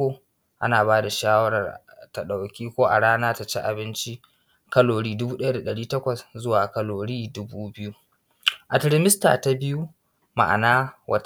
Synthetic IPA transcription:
o˨ | ʔa̰˦naː˨baː˦da˨ʃaː˦wɐ˦ɽɐ˨r | ta˨ɗa˨wkʲiː˦kʷoː˦ʔa̰˨ɽaː˦naː˦ta˨t͡ʃḛ˦ʔa̰˨bɪ˦nt͡ʃi˦ | kɐ˦loː˨ɽiː˦dʊ˦buː˦ɗɐ˦ja˦da˨ɗɐ˨ɽiː˦tɐ˦kʷɐ˨szʊ˦waː˨kɐ˦loː˨ɽiː˦dʊ˦buː˦bɪ˦ju˦ | ʔa˨tɾɪ˦mɪ˦sta̰˨ta˦bɪ˦ju˦ | ma̰˨ʔa̰˨naː˦wɐ˦

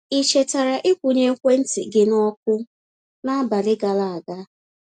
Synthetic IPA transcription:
i˨t͡ʃe˨ta˨ɾa˨ʔɪ˦kʷu˨ɲe˦kʷe˦n̩˦tɪ̰˨ɡɪ˦nɔ˦k̚ʷʊ˦ | na˦ba˨lɪ˦ɡa˨la˨a˨ɡa˦

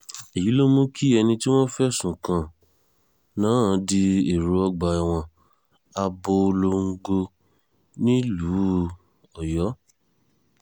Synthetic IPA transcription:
i˨ji˨˦lo˦mũ˦kʰi˦ɛ˧nĩ˧ti˦w̃ɔ̃˦fɛ˦sũ˨kã˨ | nãː˨˦˨di˧e˨ɾu˨˦ɔ˧ɡ͡ba˨i˨w̃ɔ̃˧ | a˧bo˧lo˧ŋ̩˦ɡo˧ | nĩ˦lu˨˦ | ɔ˨jɔ˨˦

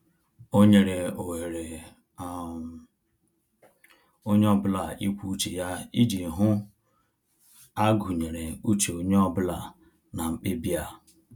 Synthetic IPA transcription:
o˦ɲe˨ɾe˨o˨we˨ɾe˨ | o˦ɲe˦ɔ˦bla˨ʔi˦kʷu˦t͡ʃi˨ja˦i˦di˨ɦʊ˦ | a˦ɡu˨ɲe˨ɾe˨u˦t͡ʃe˨o˨ɲe˦ɔ˦bla˨ | na˨ŋ͡m̩˨k͡pɪ˦bja˦˨

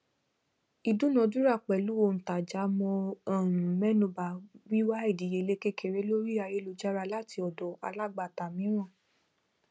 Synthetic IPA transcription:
i˧dũ˦nɔ̃˨˧dũ˦ɾa˦˨k͡pɛ˨lu˨˦wo˧˨˧n̩˨ta˨d͡ʒa˨˦mɔ̃˧ɔ˦˨ɾ̃ũ˨mɛ˦nũ˧˦ba˨˦wi˦wa˦i˦˨di˨je˨le˦ke˦ke˦˨ɾe˨˦lo˦ɾi˦a˧je˦lo˧d͡ʒa˦ɾa˧la˦˨ti˧ɔ˨dɔ˨˦a̰˧la˦˨ɡ͡ba˧˨ta˨mĩ˨˦ɾ̃ã˦˨

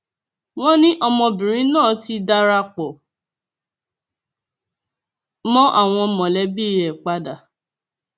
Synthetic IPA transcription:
w̃ɔ̃˦nĩ˦ʔɔ˧mɔ̃˧bĩ˨ɾ̃ĩ˨˦nãː˦˨ti˧da˧ɾa˧k͡pɔ˨ | mɔ̃˦ʔa˦˨w̃ɔ̃˧mɔ̃˨lɛ˨˦bi˦˨jɛ˨k͡pa˧da˨

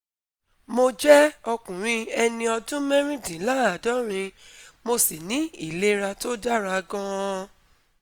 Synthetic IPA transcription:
mo˧d͡ʒɛ˦ɔ˧kũ˨ɾ̃ĩ˧ɛ˧nĩ˧ɔ˧dũ˦mɛ˦ɾ̃ĩ˦dĩ˨˦la˦a˨dɔ˦ɾ̃ĩ˧mo˧si˨nĩ˨˦i˦˨le˦ɾa˧to˦da˦ɾa˨˧˨ɡɔ̃˦˧

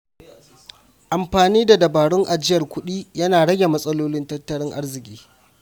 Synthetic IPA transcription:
ʔa˨mɸaː˨niː˦da˨dɐ˨baː˨ɽɪ˦ŋʔa˨d͡ʒɪ˦jɐ˨rkʷʊ˦ɗiː˦jɐ˦naː˨ɽɐ˦ɡʲe˨mɐ˦sʼɐ˦loː˦lɪ˦ntɐ˦tːɐ˦ɽɪ˦ŋʔa˦rzɪ˨kʲʼiː˦

